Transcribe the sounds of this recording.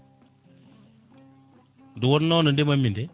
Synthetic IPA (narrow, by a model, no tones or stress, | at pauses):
duwonnɔnundimamːinde